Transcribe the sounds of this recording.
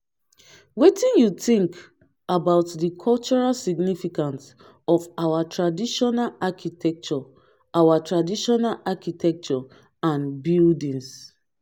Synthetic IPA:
wetĩnjutĩŋk | abaʊtdikʰɔlt͡ʃɔɹalsiɡnifikãns | ɔfawatɹadiʃɔnalakʰitʰɛk̚t͡ʃɔ | awatɹadiʃɔnalakitʰɛk̚t͡ʃɔ | ãnbildĩns

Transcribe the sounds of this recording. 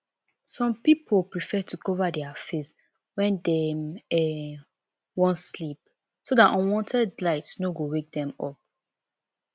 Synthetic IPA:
sɔ̃mpipʰolpɹifɛtʰukɔvadɛafes | wɛ̃ndɛmɛ | wɔ̃nslip̚ | sodatɔ̃nwɔ̃ntʰɛdlaɪtsnoɡowek̚dɛ̃mɔ̰p̚

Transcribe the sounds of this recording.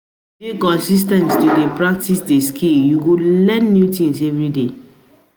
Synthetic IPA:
ekɔ̃nsis̬tɛ̃ntstudepɹak̚tisdeskʰiljuɡulɛ̃nːjutĩŋsɛvɹide

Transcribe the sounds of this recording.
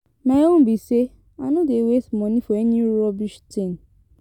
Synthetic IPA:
nãeõbise | anũdewesmɔ̃nĩfoɛnĩɾɔbiʃtĩn

